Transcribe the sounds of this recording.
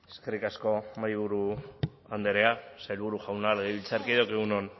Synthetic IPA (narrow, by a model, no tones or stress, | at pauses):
eskerikasko̞majβuɾu | and̪eɾe̞asajlβuɾuʝawnaleɣeβilt͡saɾkiðawkeɣunon